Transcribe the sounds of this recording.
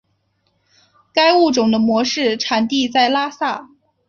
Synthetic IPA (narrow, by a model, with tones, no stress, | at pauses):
ka˥ɪu˥˩ʈ͡ʂʊ˨˩ŋd̪ə˦mwɔ˧˥ʂɻ̩˥˩ʈ͡ʂʰa˨˩nt̪i˥˧t͡sa˥˩ɪla˥sa˥˩